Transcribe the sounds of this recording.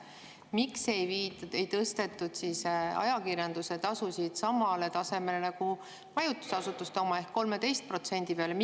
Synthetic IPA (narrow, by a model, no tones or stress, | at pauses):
mikse̞jviːt̪e̞jt̪ɤst̪e̞t̪ːˑud̪̥sisɑ̰jɑkirjɑnd̪̥use̞t̪ɑsusid̪̥sɑmɑle̞t̪ɑse̞me̞lenɑku | mɑjut̪ːˑu̥sɑsut̪ːˑust̪o̞mɑe̞hkkːo̞lmet̪e̞jst̪̚pro̞t̪se̞nʲd̪̥ipeɑlem